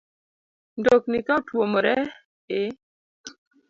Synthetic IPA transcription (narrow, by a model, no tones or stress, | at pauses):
ndoknikatwomɾɛ | ɪ